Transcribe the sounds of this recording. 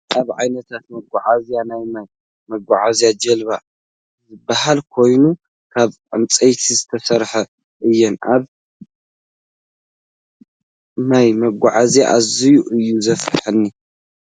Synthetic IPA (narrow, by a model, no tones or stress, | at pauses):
ʔaβʕajnɐt̪ʰat̪̚mɐɡʷaʕazjanajmaj | mɐɡʷaʕazijad͡ʒɐlβa | zɨbːahalkʰo̞jnu | kʰaβʕɨ̰mt͡sʼɐjt̪ʰizɨt̪ʰɐsɐɾħɐ | ʔɨjːɛnʔaβ | najmɐɡʷaʕazja̰ʔazijuʔɨjːuzɐfɨħɨnːi